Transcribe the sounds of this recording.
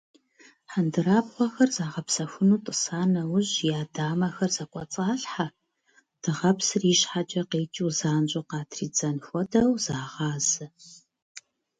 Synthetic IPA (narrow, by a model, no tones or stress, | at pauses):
ħandɨɾaːbʁʷɔxɐrzaːʁɐpsɐxʷʊnuːtʼɨsaːnɐwʊʑjaːdaːmɐxɐrz̥ɐkʷʼɔt͡sʼaːɬħa | d̥ɨʁɐpsɨriːʃħat͡ʃʼɐqeːt͡ʃʼuwzaːnt͡ʃʼʊqɑːtʰriːd͡zɐnxʷɔdɐwzaːʁɑːzɨ